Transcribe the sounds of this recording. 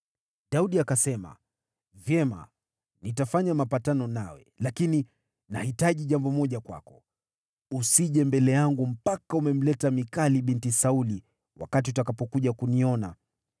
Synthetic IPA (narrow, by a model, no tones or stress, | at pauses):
ɗauɗiakasɛma̰ | vjɛma̰ | nitafaɲamapatanɔnawɛ̰lakini | na̰hitaʄiʄambɔmɔʄakwa̰kɔ̥ | usiʄɛmbɛlɛjaŋɡum̩pakaumɛm̩lɛtamikaliɓintisauli | wa̰kat̬iutakapɔkuʄakuniɔna̰